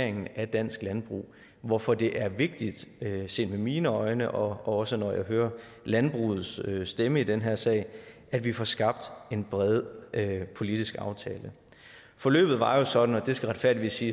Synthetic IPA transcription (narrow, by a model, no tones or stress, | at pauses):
ɐeŋn̩æd̥æn̰sɡ̥lænb̥ʁṵː | ʋɒfɒ̽d̥e̝ʔæɐʋe̝ɡ̥̚d̥id̥øse̝̰ːnd̥memiːnəɒ̽ɪnəʔɒ̽ɒ̽sənɒjɑ̈ɪɦøːɐ | lænb̥ʁṵːð̞̩ˠsøsd̥eməid̥enɦeɐ̰sɛ̰ːɪ | æd̥ʋifɒsɡ̥ɑ̈b̥̚d̥e̝nb̥ʁɛð̞ˠpʰo̝lid̥isɡ̥ɑ̈ʊt͡sʰɛːlə | fɒ̽lø̰ːb̥ð̩ˠʋɑ̈jo̝sɒ̽d̥n̩ɒ̽d̥e̝sɡ̥æʁɑ̈d̥fæɐ̰diʋḭsiː